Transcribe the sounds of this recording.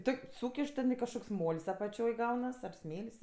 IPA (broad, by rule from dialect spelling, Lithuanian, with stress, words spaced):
ˈtoːkʲ ˈsuːkʲɪʃ tʲɛn kɐʃˈkoːks ˈmoːlʲsʲ ɐpɐˈt͡ʃʲoːj ˈɡɐʊnɐs ɐr ˈsʲmʲeːlʲsʲ